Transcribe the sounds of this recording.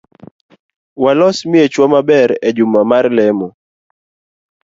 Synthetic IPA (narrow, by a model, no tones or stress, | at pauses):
walɔsmɪet͡ʃwamabɛɾɛd͡ʒumamarlɛmɔ